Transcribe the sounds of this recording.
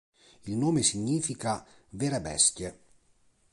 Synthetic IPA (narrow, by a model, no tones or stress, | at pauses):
ilnoːmesiɲːiːfika | veːɾebɛ̰st̪je